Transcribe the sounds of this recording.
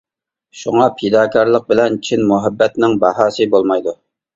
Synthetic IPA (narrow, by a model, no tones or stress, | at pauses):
ʃuŋɑpʰed̪ɑːkʰʲɑɾlˠəq̚bɪlɛnt͡ʃʰinmuɦɛbːɛt̪nɪŋbɑhɑːsɨbolˠmɑjd̪u